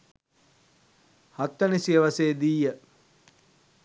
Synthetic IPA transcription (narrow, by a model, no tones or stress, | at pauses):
hat̪ːənisiəʋaseːd̪iːjə